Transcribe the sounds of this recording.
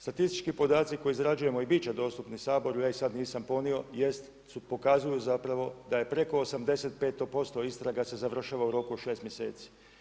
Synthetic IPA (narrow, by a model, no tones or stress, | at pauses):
st̪at̪ist̪i̥t͡ʃkipo̞d̪aːt̪siko̞jiizɾad͡ʒuje̞mo̞ibiːt͡ʃad̪o̞ːst̪upnisaːbo̞ɾujaːisad̪niːsampo̞nio̞je̞st̪ | supo̞kazujuzapɾaʋo̞d̪aje̞pɾe̞ko̞ːsamd̪e̞se̞t̪̚pe̞ːt̪ːopo̞st̪o̞ist̪ɾaɡase̞zaʋr̩ʃaːʋauɾo̞kuoʃe̞ːst̪mjesḛːt̪si̥